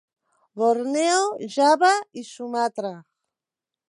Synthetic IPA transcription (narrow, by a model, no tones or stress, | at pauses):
βoɾneoʒaβaisumat̪ɾa